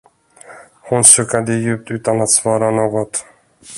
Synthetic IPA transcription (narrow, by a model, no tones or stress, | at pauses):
hʊnsœːkad̪əjʉ̟ːp̚t̪ʉ̟ːt̪anat̪svɑːɾanoːɡɔt̪